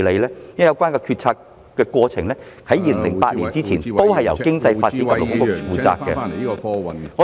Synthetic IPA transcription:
le˨˧jlɛː˥jjɐ˨˧wkwaː˥nkɔ˧kʰyː˧t̚t͡sʰaː˧k | kːɛː˧kwɔː˧t͡sʰɪ˨˩ŋlɛː˥ | kʰɐ˨˥jiː˨˧lɪ˨˩ŋlɪ˨˩ŋpaː˧t̚liː˨˩nt͡siː˥t͡sʰiː˨˩no˥whɐ˨jɐ˨˩wkɪ˥ŋt͡sɐ˧jfaː˧t̚t͡si˨˥kɐ˨˥lo̰˨kʊ˥kʊ˥fuː˨˥t͡sa̰ː˧kkːɛ̰˧ | ŋɔ˨˧

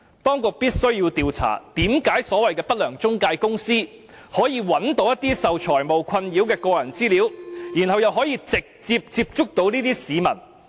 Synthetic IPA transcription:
t̪ɔː˥ŋkʊ˨k̚piː˥t̚sɵ˥ɥjiː˧wt̪iː˧wt͡sʰa̰ː˨˩t̪iː˨˥mkaː˨˥jsɔː˨˥wɐ˨jkɛː˧pɐ˥t̚lœː˨˩ŋt͡sʊ˥ŋkaː˧jkʊ˥ŋsiː˥ | hɔː˨˥jiː˨˧wɐ˨˥nt̪o˨˥wjɐ˥t̪iː˥sɐ˨wt͡ʃʰɔː˨˩jmo˨wkʷʰɐ˧njiː˨˥wkɛː˧kɔː˧jɐ˨˩nt͡siː˥liː˨˥wjiː˨˩nɦɐ˨wjɐ˨wɦɔː˨˥jiː˧t͡sɪ˨k̚t͡siː˧p̚t͡siː˧p̚t͡ʃʊ˥k̚t̪o˨˥wniː˥t̪iː˥siː˨˧mɐ̰˨˩n

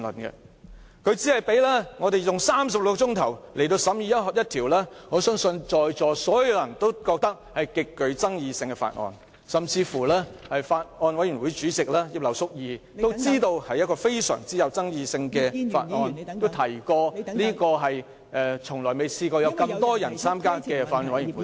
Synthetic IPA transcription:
lə̰˨˩nkɛ̰˧ | kʰɵ˨˧ɥt͡siː˨˥hɐ˨jpe˨˥jlɛː˥ŋɔː˨˧t̪e˨jjʊ˨ŋsaː˥msɐ˨p̚lʊ˧k̚t͡ʃʊ˥ŋt̪ʰɐ˨˩wlʔe˨jt̪o˧wsɐ˨˥mjiː˧jɐ˥t̚hɔ˨k̚jɐ˥t̚t̪ʰiː˨˩wlɛː˥ŋɔː˨˧sœː˥ŋsɵ˧nt͡ʃɔː˨jt͡sɔː˨sɔː˨˥jjɐ˨˧wlɐ˨˩nt̪o˥wkɔː˧k̚t̪ɐ˥k̚hɐ˨jkɪ˨kːɵ˨˧ɥt͡sɐ˥ŋjiː˧sɪ˧ŋkɛ˧fa̰ː˧t̚ŋɔ̰ː˧n | sɐ˨mt͡sʰiː˧fuː˨˩lɛː˥hɐ˨jfaː˧t̚ŋɔː˧nwɐ˨˥jɥy˨˩nwuː˨˥jt͡ʃyː˨˥t͡sɪ˨k̚laː˥ji˧p̚lɐ˨˩wsʊ˥k̚jiː˨˧t̪o˥wt͡siː˥t̪o˧whɐ˨jɐ˥t̚kɔː˧fe˥jsœ̰ː˨˩ŋt͡siː˨˥jɐ˨wt͡sɐ˥ŋjiː˧sɪ˧ŋkɛː˧fa̰ː˧t̚ŋɔː˧no˥wt̪ʰɐ˨˩jkɔː˧liː˥kɔː˧ɦɐ˨j | ʔɛː˨t͡sʰʊ˨˩ŋlɔː˨˩jme˨jsiː˧kɔː˧jɐ˨˧wkɐ˧mt̪ɔː˥jɐ˨˩nt͡sʰaː˥mkaː˥kɛː˧faː˧t̚ɔː˧˨nwɐ˨˦jwuː˨˦

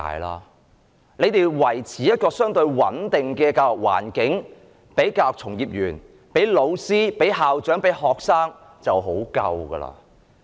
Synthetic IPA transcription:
a̰ː˨˧jla̰ː˥ | ne˨˧jt̪e˨jwɐ˨˩jt͡sʰiː˨˦jɐ˥t̚kɔː˧sœː˥ŋt̪ɵ˧ɥwɐ˨˥nt̪ɪ˨ŋkɛː˧kaː˧˨k̚wa̰ː˨˩nkɪ˨˥ŋ | pe˨˥jkaː˧wt͡sʰʊ˨˩ŋjiː˨p̚jyː˨˩n | pe˨˥jlo˨˧wsiː˥pe˨˥jɦaː˨wt͡ʃœː˨˥ŋpe˨˥jɦɔː˨ksaː˥ŋ | t͡sɐ˨wɦo˨˥wkɐ̰˧wɡɐ̰ː˧la̰ː˧

